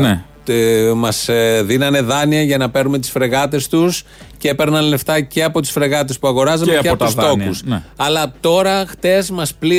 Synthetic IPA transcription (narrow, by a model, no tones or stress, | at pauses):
n | mɐsðinɐne̞ðɐniɐʝɐnɐpe̞ɾnume̞t̪i̥sfɾe̞ɣɐt̪̬e̞st̪us | cepe̞ɾnɐnleft̪ɐce̞ɐpo̞t̪i̥sfɾe̞ɣɐt̪̬e̞spuɐɣo̞ɾɐzɐmeeɐt̪ust̪o̞xusɐlɐt̪o̞ɾɐxt̪e̞zmɐspli